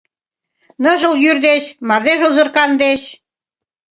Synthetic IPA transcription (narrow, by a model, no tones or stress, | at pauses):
nəʒə̆ljyrd̪eʃmɑrd̪eʒozɤ̆rkɑnd̪eɕ